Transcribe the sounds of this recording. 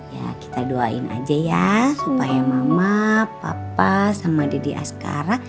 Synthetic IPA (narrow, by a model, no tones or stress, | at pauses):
ja̰ki̥t̪aduaḭna̰d͡ʒajasupajamamapapasamadadiʔa̰ska̰ɾa